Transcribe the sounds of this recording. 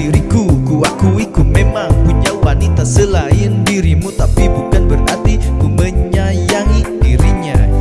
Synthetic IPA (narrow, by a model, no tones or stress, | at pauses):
iɾikukuakuikumemaŋpuɲawanit̪asəlaɪndiɾimut̪apibukanbəra̰rt̪ikuməɲajaŋidiɾiɲa